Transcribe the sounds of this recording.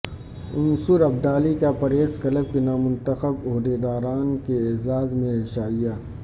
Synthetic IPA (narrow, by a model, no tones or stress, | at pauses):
ʊnsʊɾɐb̚d̪aːlikapɐɾeːskɐləb̚kenaːmʊ̃nt̪əxəboɦd̪ed̪aːɾaːnkeeːzaːzmẽɦɪʃaːijaː